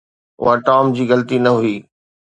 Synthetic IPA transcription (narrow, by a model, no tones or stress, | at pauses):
ʊ̰ɦaʈaːmd͡ʑiːɣɐlt̪inɐɦʊiː